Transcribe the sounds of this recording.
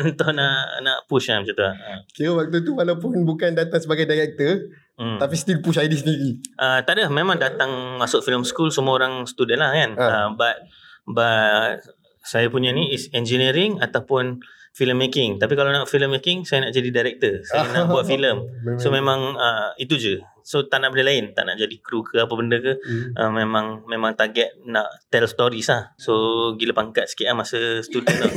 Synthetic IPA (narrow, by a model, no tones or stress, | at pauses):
ənt̪ʊʔnaʔnaʔpuʃabət͡ʃat̪uaəkiɾəwak̚t̪ut̪uwalawp̬ʊnbukandat̪aŋsəbaɡajdaɾɛk̚t̪ə | t̪apist̪ilpuʃajdis̬əniɾiʔət̪aʔdəhmẽmãŋdat̪aŋmasʊʔ̚filəmskulsəmuaoɾaŋst̪udɛnlahkanəbat̪̚ | bat̚ | sajapuɲaniisɛnd͡ʒiniɾiŋat̪awpʊnfiləmːekɪŋt̪apikalawnaʔfiləmːekɪŋsajanaʔd͡ʒadidajɾɛk̚t̪əsaanaʔbuat̪̚filəmsomẽmãŋəit̪̬ud͡ʒə | sot̪aʔnaʔbəndəlaɪnt̪a̰ʔna̰ʔd͡ʒadikɾukʰəapəbəndəkəʔəmːẽmãŋmẽmãŋt̪aɡɛt̪̚naʔt̪ɛlst̪oɾislahsoɡiləpaŋkat̪̚sə̥kiaʔlamasəsə̥t̪udɛnɔ